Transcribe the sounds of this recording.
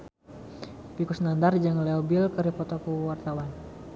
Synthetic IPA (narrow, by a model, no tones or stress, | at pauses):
pikusnandard͡ʒaŋleobilkəɾipɔt̪ɔkuwart̪awan